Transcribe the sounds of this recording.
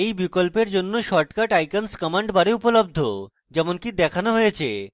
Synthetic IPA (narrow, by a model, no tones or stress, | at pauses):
ejbikolpeɾd͡ʑonːoʃɔʈkaʈajkanskɔmaɳɖbaɾeupolob̚d̪ʱo | d͡ʑɛmonkid̪ɛkʰanoɦojet͡ɕʰḛ